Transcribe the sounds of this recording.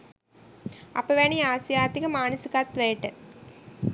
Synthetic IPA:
ɐ̰pːɐʋeːɳiaːsjaːt̪ikɐmaːnisɯkːaːt̪ːʋeːʈːɨ

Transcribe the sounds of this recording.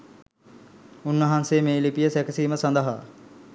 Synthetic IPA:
unːəɦansemeːlipijəsækəsiːməsand̪əɦa̰

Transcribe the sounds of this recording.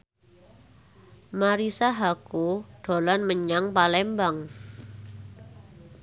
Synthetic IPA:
maɾisaɦakuɖ̥o̤lanməɲaŋpalɛmbaŋ

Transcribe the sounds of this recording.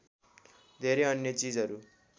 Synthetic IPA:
d̪ʱeɾeʌnjʌt͡sid͡zʌɾu

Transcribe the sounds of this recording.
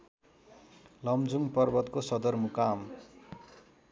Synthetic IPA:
lʌmd͡zuŋpʌrbʌt̪kosʌd̪ʌrmukam

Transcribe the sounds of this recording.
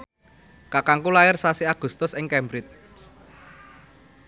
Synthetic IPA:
kakaŋkulajɪrsasiaɡ̥ṳst̪ʊsɪŋkɛmbɾɪt̪̚ | s

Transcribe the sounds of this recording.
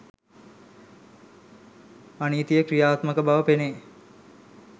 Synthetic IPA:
aniːt̪ijəkɾijaːt̪məkəbaʋəpene

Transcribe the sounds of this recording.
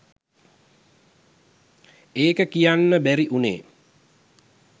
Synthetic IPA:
eːkəkijanːəbæɾiʔunḛː

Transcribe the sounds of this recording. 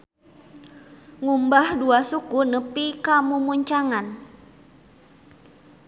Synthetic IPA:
ŋumbahduasukunəpikamumuɲt͡ʃaŋan

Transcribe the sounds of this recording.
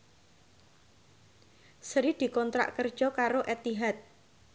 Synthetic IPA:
səɾid̪̥i̤kɔnt̪ɾa̰ʔkərd̥ʒ̥ɔkaɾoʔɛt̪iɦat̪̚

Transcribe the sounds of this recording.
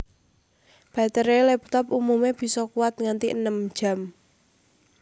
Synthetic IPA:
b̥a̤t̪əɾelɛp̚t̪ɔpumumeb̥i̤sɔkuwat̪̚ŋant̪iʔənəm̥ʒ̥a̤m

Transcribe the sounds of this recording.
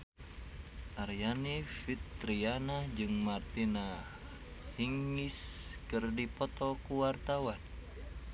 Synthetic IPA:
ʔarjanifit̪ɾianad͡ʒɨŋmart̪ina | hiŋiskɨrdipɔt̪ɔkuwart̪awan

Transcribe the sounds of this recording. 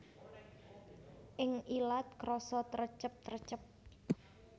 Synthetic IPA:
ʔɪŋilat̪̚kɾɔsɔt̪əɾət͡ʃəp̚t̪ərət͡ʃəp̚

